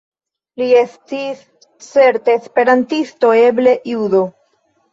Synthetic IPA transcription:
liestis | t͡se̞ɾte̞ːspe̞ɾantisto̞e̞ble̞ʔjudo̞

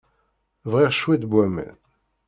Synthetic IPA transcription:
vʁiʁʃwid̪bwæmæ̰n

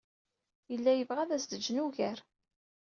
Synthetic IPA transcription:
jəlːæjəvʁæðæsd̪əd͡ʒːnuʝæɾ

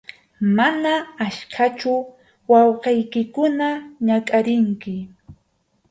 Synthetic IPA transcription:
manaːʃkʰat͡ʃʊ | wɑwqejkɪkʊnaɲakʼaɾɪŋkɪ

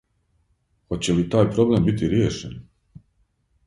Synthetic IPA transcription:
hot͡ɕelit̪aːjpɾo̞blembit̪iɾjeːʃen

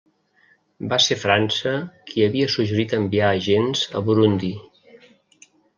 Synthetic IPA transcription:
basefɾansəkʰiəβiəsuʒəɾit̪əmbiaːʒenz̥ə̰βuɾund̪i

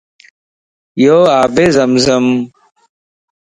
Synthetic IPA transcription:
joːaːbezɐmzɐm

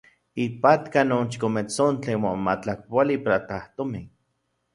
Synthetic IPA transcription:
ipat̪kanoːnt͡ʃi̥komet͡sont͡ɬenmomat͡ɬakpalipaɾat̪aht̪ome

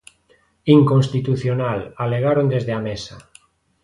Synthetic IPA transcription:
iŋkõnst̪it̪uθjonalaleɣ̞aɾond̪ezðeamesa

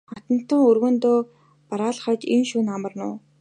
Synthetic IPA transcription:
χat̪ə̆n̥t̪ə̆ŋɵrɣɵ̆nt̪oː | paɾaːɮχat͡ɕinʃuːnamə̆rnʊ̰ː

